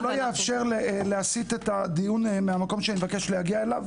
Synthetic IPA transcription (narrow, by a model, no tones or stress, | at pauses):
lojeafʃeʁleleasit̪et̪ad̪ijunmeamako̞mʃeaniivake̞ʃlejaɡiaelav